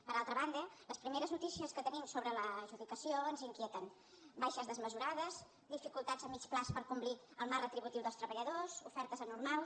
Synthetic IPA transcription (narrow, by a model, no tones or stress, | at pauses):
pəɾalˠt̪ɾəβand̪ələspɾimeɾəznut̪isiəskət̪ənimsoβɾələʒuðikəsioənziŋkjɛt̪ən | bajʃəzðəzməzuɾaðəz | d̪ifikulˠt̪ad͡zəmːit͡splaspəɾkumbliəlˠmarːət̪ɾiβut̪iwðəlst̪ɾəβəʎəðozufɛɾt̪əzənurmalˠ